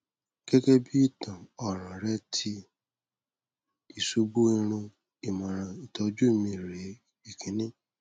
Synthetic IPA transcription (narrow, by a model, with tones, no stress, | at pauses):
ke˦ke˦bi˦i˦˨tã˨ɔ˨ɾ̃ã˨ɾɛ˦tʰi˧ | i˨su˨˧bu˦i˧ɾ̃ũ˧ | i˨mã˨ɾ̃ã˨i˨tʰɔ˨˦d͡ʒu˦˨mĩ˧˨ɾe˨˦ | i˦˨kʰĩ˨˦nĩ˦